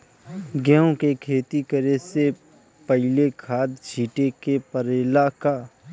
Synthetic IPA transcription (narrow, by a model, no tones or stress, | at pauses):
ɡɛːõkekʰeːt̪ikəɾese | pəɦɪlekʰaːd̪d͡ʒʱiːʈekepəɾeːlaka